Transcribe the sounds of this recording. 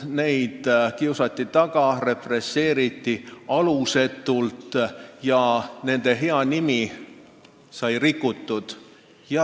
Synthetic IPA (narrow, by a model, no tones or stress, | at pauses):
ne̞jd̪̥kiusɑt̪ːit̪ɑɡ̥ɑre̞pre̞sːe̞ːɾit̪ːiɑluse̞t̪ːˑult̪jɑne̞nd̪̥e̞ɦe̞ɑnimi | sɑjrikːˑut̪ːud̪̥ | jɑ